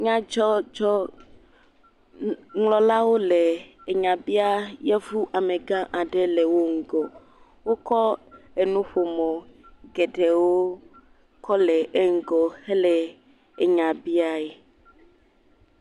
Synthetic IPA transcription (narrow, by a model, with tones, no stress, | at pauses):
ɲã˦d͡ʒɔ˦d͡ʒɔ˦ | ŋlɔ˦la˦wo˦lɛ˨e˨ɲã˨bi˦a˦jɛ˦vu˦ʔa˨me˨ɡã˦ʔa˨ɖɛ˦lɛ˨wo˦ŋ̩˨ɡɔ˨ | wo˦kɔ˦e˨nũ˦ɸo˨mɔ̃˨ɡɛ˨ɖɛ˨wo˦ | kɔ˦lɛ˨ʔe˦ŋ̩˦ɡɔ˨he˦lɛ˨ | e˨ɲã˨bi˦a˦ɛ˨